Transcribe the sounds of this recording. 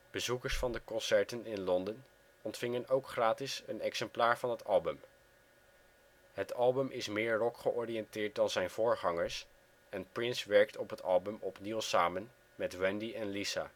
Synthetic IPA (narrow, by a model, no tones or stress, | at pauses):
b̥əzukəɹsfɑndəkɔnsɛɹtənɪnlɔndən | ɔntfɪŋənowkχraːtɪsənɛksɛmplaːɹvɑnɦətʰɑlˠbəm | ɦətɑlˠbəmʔɪsmɪːɹrɔkχəʔɔɹiɛntɪːɹt̚dɑnzɛjnv̥ʊːɹχɑŋəɹs | ɛnprɪnsʋɛɹk̚tɔpɦətɑ̰lˠbəmɔpnilˠsaːmən | mɛtwɛndiɛnlisa̰ː